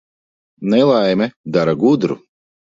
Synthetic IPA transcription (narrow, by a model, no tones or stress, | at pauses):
nɛlˠajmɛd̪aɾaɡud̪ɾu